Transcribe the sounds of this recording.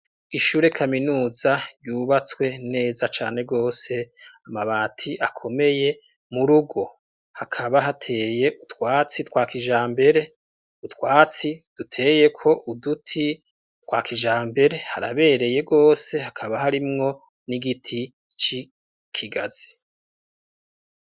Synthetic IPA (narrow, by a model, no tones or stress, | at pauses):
iʃuːɾe̞kʰaminuːzaɾjuːβat͡swe̞ne̞ːzat͡ʃa̰ːne̞ɡo̞ːse̞amaβaːtʰiʔakʰo̞me̞je̞ | muɾuɡo̞ | hakʰaβaɦatʰe̞ːje̞ʔutwaːt͡sitwaːkiʒaːmbe̞ɾe̞ | utwaːt͡sid̥utʰe̞ːje̞kʰo̞ʔudutʰi | twaːkiʒaːmbe̞ɾe̞haɾa̰βe̞ːɾe̞je̞ɡo̞ːse̞hakʰaβaɦaɾimŋo̞ | niɡitʰi | t͡ʃi | kʰiɡaz̥i